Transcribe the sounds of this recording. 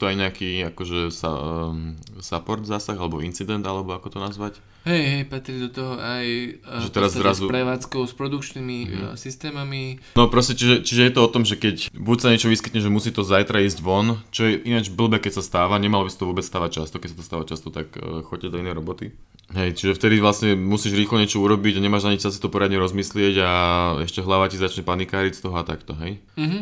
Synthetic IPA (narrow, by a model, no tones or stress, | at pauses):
t̪ɔajɲɛakiːakɔʒɛsa̰ | sapɔɾd̪zaːsaɣalɛbɔint͡sid̪ɛnd̪alɛbɔakɔt̪ɔnazʋac | ɦɛjɦɛjpat̪ɾid̪ɔt̪ɔɦɔʔajʒɛt̪ɛɾazɾazupɾɛʋaːt͡skɔʊspɾɔd̪ukt͡ʃnimisist̪ɛːmaminɔpɾɔscɛt͡ʃiʒɛt͡ʃiʒɛjɛt̪ɔɔt̪ɔmʒɛkɛcbucsaɲɛt͡ʃɔʋiskit̪ɲɛʒɛmusiːt̪ɔzajt̪ɾaiːzɟʋɔnt͡ʃɔjɛʔinad͡ʒbl̩bɛkɛcsast̪aːʋaɲɛmalɔbisḁt̪ɔʋʊɔːbɛt͡sst̪aːʋac̚t͡ʃast̪ɔkɛcsat̪ɔ̥st̪aːʋat͡ʃast̪ɔt̪akːxɔcɛd̪ɔinɛjɾɔbɔt̪i | ɦɛjt͡ʃiʒɛft̪ɛd̪iʋlasɲɛmusiːʒɾiːxlɔɲɛt͡ʃɔuɾɔbiɟaɲɛmaːʒnaɲiczas̬i̥t̪ɔpɔɾɪad̪ɲɛɾɔzmislɪɛɟaɛ̰ʃcɛɦlaʋacizat͡ʃɲɛpanikaːɾist̪ɔɦɔat̪akt̪ɔɦɛj̩ | ɦ̩